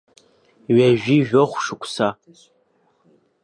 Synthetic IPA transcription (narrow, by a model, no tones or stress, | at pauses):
ɥaʒᶣiʒᶣoχʷʂɨkʷʰʼsa